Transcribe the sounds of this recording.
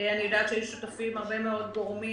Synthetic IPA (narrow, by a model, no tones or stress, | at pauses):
anijod̪aːt̪ʃejuʃutafimhaʁbe̞meo̞d̪̚ɡoʁmi